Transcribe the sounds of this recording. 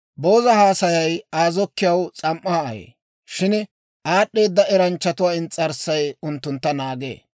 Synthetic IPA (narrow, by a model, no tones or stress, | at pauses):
bo̞ːzɐhaːsɐjɐjaːzɔkːɪjɐwt͡sʼɐmʔːajḛː | ʃɪn | ʔaːɗːe̞ːd̪ːɐɛɾɐnt͡ʃːɐt̪ʊwaːɪnt͡sʼɐɾsɐjʊnt̪ːʊnt̪ːɐnaːɡḛː